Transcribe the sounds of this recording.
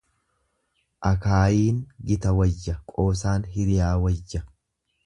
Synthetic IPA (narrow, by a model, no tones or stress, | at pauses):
ʔɐkaːjiːnɡɪt̪ɐwɐjːɐkʼoːs̬aːnɦɪɾɪjaːwɐjːɐ